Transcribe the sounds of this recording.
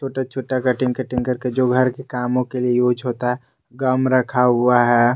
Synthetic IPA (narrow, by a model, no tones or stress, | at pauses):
t͡ʃʰoːʈat͡ʃʰoːʈakɐʈɪ̃ŋkəʈɪ̃ŋkəɾked͡ʒoːɡʱɐɾkekaːmõkeliejoːd͡ʒɦoːt̪aɦɛ | ɡəmɾəkʰaɦʊaɦɛː